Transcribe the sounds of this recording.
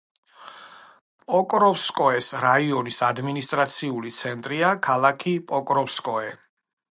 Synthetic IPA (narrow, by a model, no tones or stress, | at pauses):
pʼɔkʼɾɔfskʼɔɛsɾaiɔnisad̪minist̪ʼɾat̪sʰiulit̪sʰɛnt̪ʼɾiakʰalˠakʰipʼɔkʼɾɔfskʼɔɛ